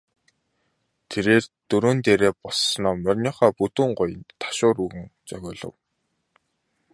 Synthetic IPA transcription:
t̪ʰeɾeːrt̪ɵɾoːnt̪eːɾeːpɔssnɔːmœrʲnʲiːχaːput̪uːɴɢʊj̆nt̪ʰḁʃʊːɾuɣɘ̆ŋt͡sœɣʲʊːɮɞ̰̆w

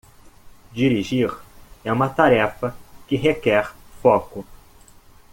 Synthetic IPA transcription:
d͡ʒiɾiʒiɾɛũmɐt̪aɾɛfɐkɪɦekɛɾfɔkʊ

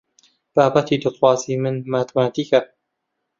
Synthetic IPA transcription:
b̥aːbɐt̪ʰiːd̪ɨt̪xwɑːziːmɨnmaːt̪maːt̪iːkɐ

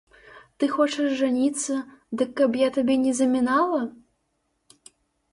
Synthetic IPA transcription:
t̪ɨxɔt͡ʂɛʐːanʲit̪sːɐd̪ɨkːɐbjat̪abʲɛnʲɛzɐmʲinalˠɐ

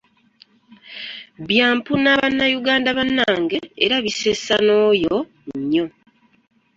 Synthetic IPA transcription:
βjaːmpunaβanːajuɡaːndaβanːaːŋɡe̞ːɾaβisesano̞ːjo | ɲːo̞

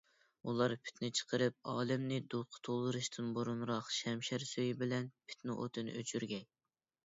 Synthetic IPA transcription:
ulˠɑɾpʰɪ̥t̪nɪt͡ʃʰə̥qəɾɨp̚ɑːlˠɪmnɪd̪oqʰʊ̥t̪ʰolˠːɨɾɨʃt̪ʰɨnboɾunɾɑqʃɛmʃæɾsøjibɪlɛnpʰɪ̥t̪nɪʔo̰t̪ʰɨnɨ̰ʔøt͡ʃʰyɾɡʲɛŋʲ

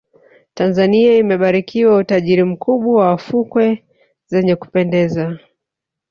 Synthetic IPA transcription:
tanzaniaimɛɓaɾikiwautaʄiɾim̩kuɓwawawafukwɛ | zɛɲɛku̥pɛndɛza

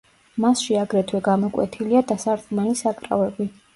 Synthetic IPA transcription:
masʃiaɡɾɛt̪ʰwɛɡamɔkʼwɛ̰t̪ʰiliad̪asaɾt̪ʼumɛlisakʼɾa̰vɛbi

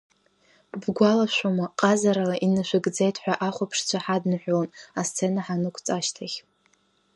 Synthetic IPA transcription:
bɡʷalaʃʷomaqʼazaɾalaʔinɨʃʷʊɡd͡zejtʰħʷᶣaʔaχʷapʰʂt͡ɕʷʰaħadnɨħʷᶣlonast͡sʰe̞naħanɨkʷʰt͡sʼaʃtʰaχʲ

